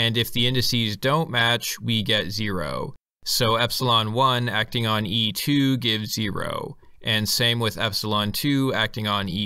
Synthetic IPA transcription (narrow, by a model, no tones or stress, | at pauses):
ɨ̃nɨfðiɪ̃ndɨsizdõʊ̃nmæt͡ʃwiɡɛtz̥ɪɹo̰ʊ | soʊɛpsəlɑ̃nwʌ̃næk̚tɪ̃ŋə̃nitʰʉɡɪvzɪɹo̰ʊ | ʔɨ̃nsẽɪ̃mwɪðɛ̰psəlˠɑ̃ntʰʉæk̚tɪ̃ŋə̃ni